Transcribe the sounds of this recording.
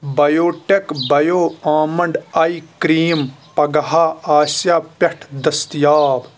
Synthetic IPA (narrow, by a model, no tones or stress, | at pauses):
bɐjoːʈekbɐjoːaːmɐɳɖɐikɾiːmpɐɡɐɦaːaːsjaːpɐʈʰd̪ɐst̪jaːb